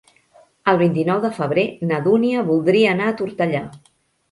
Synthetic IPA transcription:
əlˠβ̞int̪inɔwðəfəβ̞ɾenəðuniəβulˠd̪ɾiəːnaːt̪uɾt̪əʎa

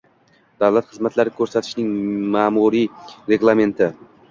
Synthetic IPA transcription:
d̪̥awlˠat̪χɨzmat̪ʰlaɾɪkʰɵɾsat̪ʰɪ̥ʃnɪŋmaːmuɾiɾe̞ɡlˠame̞nt̪ʰɪ

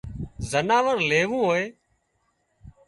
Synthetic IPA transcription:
zənaːʋəɾleːʋũːɦoːeː

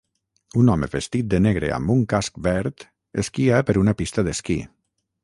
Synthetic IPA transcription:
unɔmḛβest̪it̪̚d̪əneɣɾḛa̰mbuŋkask̚bɛɾt̪ | eskiapəɾunapist̪aðeskḭ

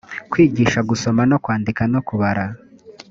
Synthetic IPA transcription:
kwiːɟiːʃaɡuso̞manokwaːndikano̞kuβaɾa

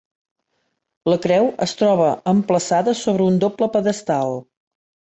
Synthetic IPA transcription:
ləkɾɛwəst̪ɾɔβəəmpləsaðəsoβɾəund̪opləpəðəst̪alˠ

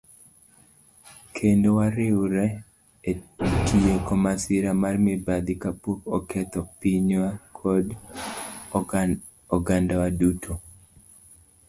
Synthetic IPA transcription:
kʰendowaɾɪwɾɛ | etʰiekɔmasɪɾamarmɪbad̪ikapokɔkɛt̪ɔpiɲwakʰɔd | ɔɡandawadutʰo

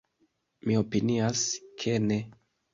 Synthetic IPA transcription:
mio̞piniaskʰene̞

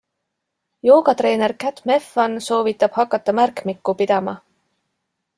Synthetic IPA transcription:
jo̞ːɡ̥ɑt̪re̞ːne̞rkæt̪me̞fɑnso̞ːvit̪ːˑɑb̥hɑkːˑɑt̪ːˑɑmærkmikːˑupid̪̥ɑmɑ

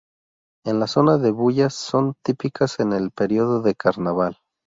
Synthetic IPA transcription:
e̞nlaso̞naðe̞βuʝasːo̞nt̪ipikʰase̞ne̞lpe̞ɾjo̞ðo̞ðe̞kʰaɾnaβal

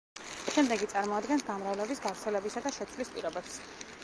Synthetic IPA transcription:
ʃɛmd̪ɛɡit̪sʼaɾmɔad̪ɡɛnsɡamɾavlɛbisɡavɾt̪sʰɛlɛbisad̪aʃɛt̪sʰwlispʼḭɾɔbɛps

